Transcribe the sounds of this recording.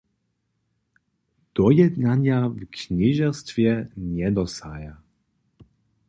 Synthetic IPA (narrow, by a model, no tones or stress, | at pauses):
d̪̥ɔjɛd̪naɲjavkɲiʒɛst̪vjɛɲɛd̪ɔsaja